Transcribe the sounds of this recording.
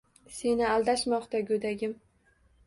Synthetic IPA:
se̞nɪalˠd̪aʃmɒqt̪aɡʲɵd̪aɡʲɪm

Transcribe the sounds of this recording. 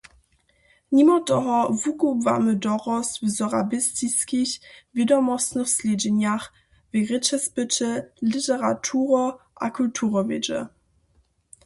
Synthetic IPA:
nimɔtɔɦɔvukuva̰mədɔʁɔsvəzɔʁabɪstiskiɕvjidɔmɔstnəxslʲed͡ʑɛnjaχ | veʁɪt͡ʃɛsbɪtəlɪtɛʁatʰuːʁɔʔa̰kʰultʰuʁɔvɪd͡ʒə̰

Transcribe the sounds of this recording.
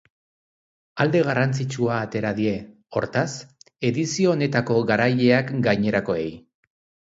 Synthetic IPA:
ald̪e̞ɣ̞arant͡sit͡ʃuaːt̪e̞ɾaðie̞ | o̞ɾt̪as | e̞ðisio̞ːne̞t̪ako̞ɣaɾaje̞akɡajɲe̞ɾako̞e̞j

